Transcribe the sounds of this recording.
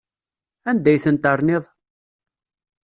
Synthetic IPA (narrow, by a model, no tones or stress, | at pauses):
ænd̪æjθənt̪ɑɾˤnɪðˤ